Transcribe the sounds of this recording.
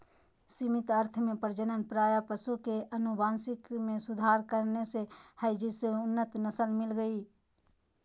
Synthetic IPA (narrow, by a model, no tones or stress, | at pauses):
simit̪əɾt̪ʰmepəɾd͡ʒənənpɾajapəsukeʔənubansikmesud̪ʱaɾkəɾnesehəɪd͡ʒiseunːət̪nəsəlmilɡəi